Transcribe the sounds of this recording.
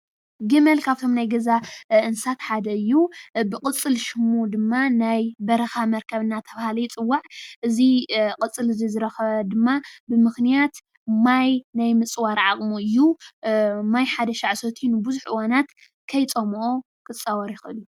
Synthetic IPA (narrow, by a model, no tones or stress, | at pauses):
ɡɨmɐlkʰaβt̪ʰo̞mnajɡɐzaʔɨnsat̪ħad̪ɐɨjːubɨkʼɨt͡sʼːɨlʃɨmud̪ɨmːanajbɐɾɐxamɐɾkʰɐβɨnːat̪ʰɐβahalɐjt͡sʼɨwːaʕʔɨziqʼɨt͡sʼːɨlɨzizɨɾɐxɐβɐd̪ɨmːabɨmɨxnijat̪ | majnajmɨt͡sʼwaɾʕaχʼmuɨjːu | majħad̪ɐʃaʕsot̪ʰinɨbɨzuħʔɨwanat̪ | kʰɐjt͡sʼomʔo | kʰʼɨt͡sʼːawɐɾjɪxɨɨlu